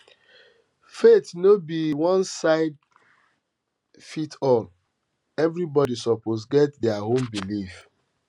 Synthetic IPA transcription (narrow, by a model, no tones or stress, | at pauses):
fetnobiwɔ̃nsaɪd̚ | fitʰɔl | ɛvɹibɔdisɔposɡɛtdɛaɦõmbilif